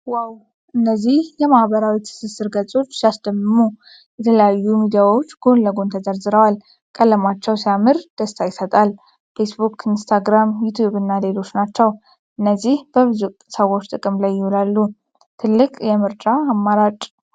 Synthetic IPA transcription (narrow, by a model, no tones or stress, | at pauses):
waw | ʔɨnːəzːihjɛmahβəɾawit̪ʰɨ̥sɨsɨɾɡət͡sʼo̞t͡ʃːsijasd̪əmːɨmu | jɛt̪ʰələjajːumid̪ijawo̞t͡ʃːɡ̥o̞nləɡo̞nt̪ʰəzəɾzɨɾəwal | kʼəlːəmat͡ʃːɛwsijamɨɾd̪̥əst̪ʰajɪsət̪ʼal | fe̞sbukʰinst̪ʰaɡɾamjut̪ʰjuβɨnːale̞lo̞t͡ʃːnat͡ʃːɛw | ʔɨnːəzːihb̥əβɨzusəwo̞t͡ʃːt̪ʼɨkʼɨmlajːɪhulalːu | t̪ʰɨlːɨkʼjɛmɨɾt͡ʃʼaːmːaɾat͡ʃʼ